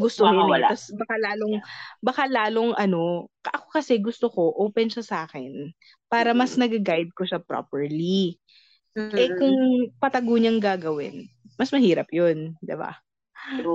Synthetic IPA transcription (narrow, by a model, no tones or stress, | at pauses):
ɡʊst̪oɐlɐsbɐkalaːlo̞ŋbɐkalaːlo̞ŋʔɐno̞kʔɐkokɐsɛɡʊst̪oko̞ʔoːpɛnʃɐsʔaːkɛn | paːɾɐmɐsnɐɡɐɡajd̪̚koʃapɾo̰pɛɹli | ʔɛkʊŋpɐt̪ɐɡoɲɐŋɡaːɡɐwɪ̰n | mɐsmɐhiːɾɐpjond̪ɪba̰